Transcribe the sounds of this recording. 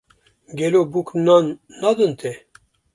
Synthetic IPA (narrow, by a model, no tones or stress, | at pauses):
ɡʲɛlobuknanː | ɑd̪ɨnt̪ʰe